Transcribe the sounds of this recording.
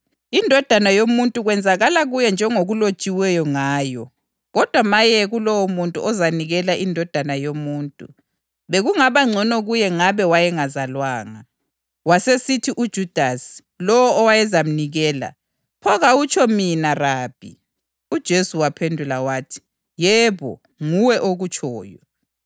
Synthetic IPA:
indʱɔd̥ʱanajomuntʼuɣwɛnd͡zʱaɣalaɣujɛnd͡ʒʱɛŋoɣulo̥t͡ʃʼiwɛjɔŋaːjɔ | ɣɔd̥ʱwamajɛɣulɔwɔmuntʼṵʔɔzaniɣɛlaʔindʱɔd̥ʱanajomuːntʼṵ | βeɣuŋaβaŋ͡ǀʱɔnɔɣujɛŋaβɛwajɛŋazalwaːŋa | wasesitʰiʔud̥ʒ̥ʱud̥ʱasi̥ | lɔwɔɔwajɛzam̩niɣɛːla̰ | pʰɔɣaut͡ʃʰʼɔminaraːb̥ʱḭ | ud̥ʒ̥ʱesuwapʰendʱulawaːtʰi̥ | jɛβɔ̰ | ŋuwɛʔoɣut͡ʃʰʼɔːjɔ

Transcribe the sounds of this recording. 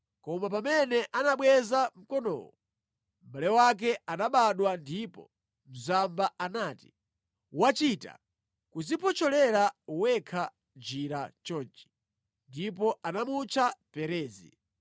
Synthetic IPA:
kɔmap̬amɛnɛʔanaɓwɛzam̩kɔnɔ̰wɔ | m̩ɓalɛwak̬ɛanaɓaɗwandipɔ̰ | m̩zambaanaːti̥ | wat͡ʃita̰ | kuzipɔt͡ʃɔlɛɾauwɛkʰa | d͡ʒiɾat͡ʃɔːnt͡ʃi̥ | ndipɔʔanamut͡ʃʰapɛɾɛːzḭ

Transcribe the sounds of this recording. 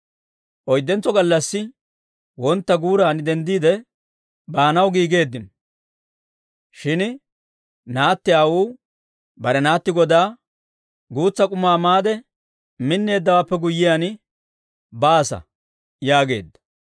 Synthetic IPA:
ʔɔjd̪ːɛnt͡sːɔɡɐlːɐsːɪ | wɔnt̪ːɐɡuːɾaːnd̪ɛnd̪iːd̪ɛ | baːnɐwɡiːɡe̞ːd̪ːɪn | ʃɪn | naːt̪ːɪaːwuː | bɐɾɛnaːt̪ːɪɡɔd̪aː | ɡuːt͡sːɐkʼʊmaːmaːd̪ɛ | mɪnːe̞ːd̪ːɐwaːpːɛɡʊjːɪjan | baːsɐ̰ | jaːɡe̞̰ːd̪ːɐ̥

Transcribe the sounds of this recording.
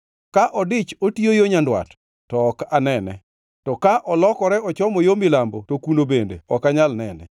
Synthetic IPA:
kaʔɔdɪt͡ʃotiojoɲandwa̰t | tɔːkanɛnɛ̰ | tɔkaʔɔlɔkɔɾɛɔt͡ʃɔmɔjomɪlambotokunobendḛɔkaɲalnɛnɛ̰

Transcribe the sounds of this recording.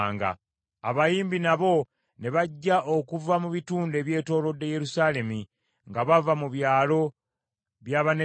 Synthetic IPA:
ŋɡa̰ | a̰βajiːmbinaβo̞ | ne̞βaɟːaʔokuvamuβituːnde̞βje̞ːto̞ːlo̞dːe̞je̞ɾusaːle̞mi | ŋɡaβavamuβjaːlo̞ | βjaːβane

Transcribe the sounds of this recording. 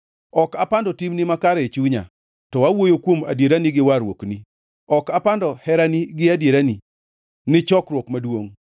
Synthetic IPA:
ɔkapandɔtimnimakaɾɛt͡ʃuɲa̰ | tɔwawojokwoma̰djeɾaniɡɪwaɾwo̰kni | ɔkapandɔhɛɾaniɡɪadjeɾani | nɪt͡ʃɔkɾwokmadwoŋ

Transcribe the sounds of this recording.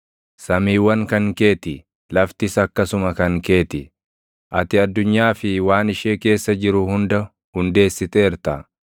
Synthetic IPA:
sɐmiːwɐŋkɐŋke̞ːt̪ɪ | lɐft̪ɪsɐkːɐsʊmɐkɐŋke̞ːt̪ɪ | ʔɐt̪ɪɐd̪ːʊɲːaːfɪwaːnɪʃeːke̞ːsːɐd͡ʒɪɾʊhʊnd̪ɐ | hʊnd̪e̞ːsːɪt̪eːɾt̪ɐ

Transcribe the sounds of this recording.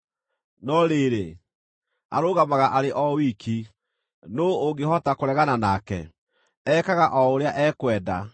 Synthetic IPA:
nɔɾeːɾe | a̰ɾoɣamaɣaʔaɾeʔɔwikʰi | nooɡeɦɔtakoɾɛɣananaːkɛ̰ | ɛkaɣaʔɔoɾeaʔɛːkwɛːda̰

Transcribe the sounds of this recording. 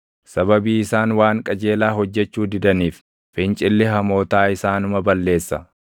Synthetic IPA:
sɐbɐbiːɪsaːnwaːŋkʼɐd͡ʒe̞ːlaːɦɔd͡ʒːɛt͡ʃːuːd̪ɪd̪ɐniːf | fɪnt͡ʃʼɪlːɪɦɐmo̞ːt̪aːɪsaːnʊmɐbɐlːe̞ːsːɐ

